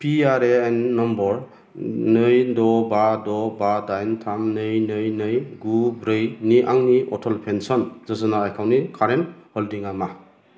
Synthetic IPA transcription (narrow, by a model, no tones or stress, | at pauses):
pʰiaɾeenːɔmbɔɾ | nɯjdɔbadɔbadajntʰamnɯjnɯjnɯjɡubɾɯjniʔaŋniʔɔtʰɔlpʰensɔnzɯzɯnaːjkʰawnikʰaɾenhɔldiŋama